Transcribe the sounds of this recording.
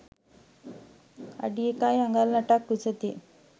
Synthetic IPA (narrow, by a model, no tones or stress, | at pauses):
a̰ɖiekajaŋɡalnaʈakːut͡sət̪i